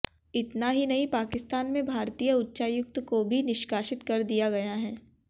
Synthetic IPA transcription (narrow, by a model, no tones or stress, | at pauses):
ɪt̪naɦinɐɦĩpaːkɪst̪aːnmẽbʱaːɾt̪iːjəʊtːʃajʊk̚t̪kobʱinɪʃkaːʃɪt̪kɐɾd̪ijaɡɐjaɦɛː